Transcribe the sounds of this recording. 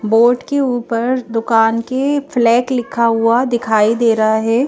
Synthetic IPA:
boːʈkeuːpəɾd̪ʊkaːnkeflɛːklɪkʰːaɦuad̪ɪkʰaːid̪eːɾaɦaɦɛː

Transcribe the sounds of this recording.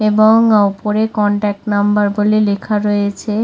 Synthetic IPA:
eboŋupoɾekɔɳʈɛk̚ʈnambaɾbolelekʰaɾɔjet͡ɕʰe

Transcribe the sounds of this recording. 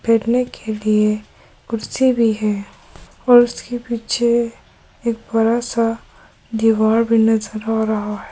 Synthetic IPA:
pʰeːʈnekʰelie | kʊɾsibʱiɦɛː | ɔːɾʊskepiːt͡ʃʰe | eːk̚bɐɾasa | d̪iʋaːɾbʱinɐzəɾaːɾɐɦaɦɛ

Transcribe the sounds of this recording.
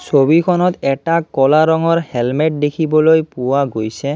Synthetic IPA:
sobikʰɔnɔt̪ɛʈakɔlaɾɔŋɔɹhɛlmɛʈ̚d̪ekʰibɔlojpuwaɡojsɛ

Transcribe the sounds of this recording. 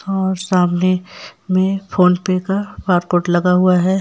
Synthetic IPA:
ɔːɾsaːmnemẽfoːnpekapaːɾkoːʈlɐɡaɦʊaɦɛː

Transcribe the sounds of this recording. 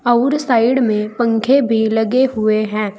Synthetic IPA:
ɐʊɾsaːɪɖmẽpə̃ŋkʰebʱilɐɡeɦʊeɦɛ̃ː

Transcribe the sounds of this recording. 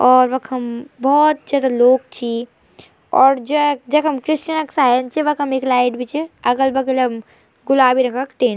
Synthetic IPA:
ɔːɾʋɐkʰɦɐmbɔːt̪̚d͡ʒad̪aloːk̚t͡ʃʰi | ɔːɾd͡ʒɐd͡ʒɐkɦɐmkɾɪst͡ʃənɐksaːənt͡ʃʰeʋɐkɦɐmeːklaːɪʈbʱit͡ʃʰeɐɡəlbɐɡlɐm | ɡʊlaːbʱiɾɐkʰəkʈeːn

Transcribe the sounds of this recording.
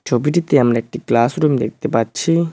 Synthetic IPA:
d͡ʒobiʈit̪eamɾaek̚ʈiklasɾumd̪ek̚ʰt̪epaːɕʰi

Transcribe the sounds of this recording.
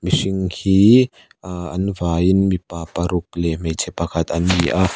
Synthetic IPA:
misɪŋhiː | ʔɐnvaːjɪnmipapɐɾʊk̚lem̥ejt͡sʰɛpɐkʰɐt̪ɐnmiʔa

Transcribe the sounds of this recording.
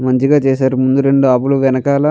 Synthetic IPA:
mɐɲt͡ʃiɡaːt͡ʃɛːsaːɾumund̪uɾe̞ɳɖuaːbuluʋɛnɐkaːlɐ

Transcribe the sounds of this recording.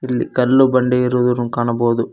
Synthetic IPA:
ilːikɐlːubɐɳɖeiɾuːd̪uɾukaːɳɐboːd̪u

